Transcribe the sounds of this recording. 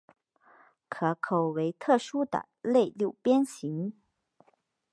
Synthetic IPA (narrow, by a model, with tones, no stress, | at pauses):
kʰɤ˧˩kʰo˨˩ʊwe˧˥ɪt̪ʰɤ˥˩ʂu˥d̪ə̰˨˩ | le˥˧ɪljo˥˩ʊpjɛ˥nɕi˧˥ŋ